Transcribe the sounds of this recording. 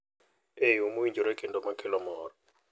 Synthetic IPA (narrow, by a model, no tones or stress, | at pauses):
eomowiɲd͡ʒoɾekendomakʰɪlɔmɔɾɔ